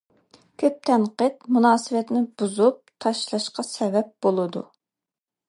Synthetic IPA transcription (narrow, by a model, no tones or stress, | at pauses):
kʲʰøp̚t̪ʰɛnqət̪munɑːsɨwɛt̪nɪb̥uzup̚t̪ʰɑʃlˠɑʃqɑsɛvɛp̚b̥olˠɨd̪ṵ